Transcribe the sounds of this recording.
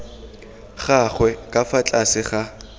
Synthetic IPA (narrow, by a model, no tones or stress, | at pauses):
χaχwɛkʼafat͡ɬʼasɪχa